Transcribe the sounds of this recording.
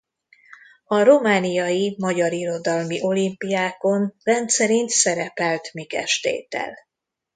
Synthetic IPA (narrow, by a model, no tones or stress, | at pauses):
ɒɾo̞maːnijɒjimɒɟɒɾiɾo̞d̪ɒlmiʔo̞limpijaːko̞nrɛnt̪sɛɾint̪sɛɾɛpɛlt̪mikɛ̰ʃt̪ḛːt̪ɛ̰l